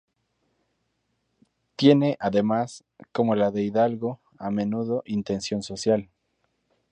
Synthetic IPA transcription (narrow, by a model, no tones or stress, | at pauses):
t̪je̞ne̞ʔaðe̞mas | ko̞mo̞laðe̞iðalɣo̞ | amẽ̞nuðo̞ʔint̪e̞nsjo̞nso̞sjal